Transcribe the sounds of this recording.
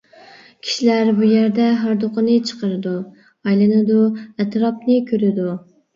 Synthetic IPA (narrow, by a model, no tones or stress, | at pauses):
kʲʰi̥ʃilæɾbujæɾd̪ɛɦɑɾd̪oqʰənɨt͡ʃʰə̥qəɾɨd̪u | ɑjlˠɨnɨd̪uæt̪ʰɾɑp̚nɨkʲʰøɾɪd̪u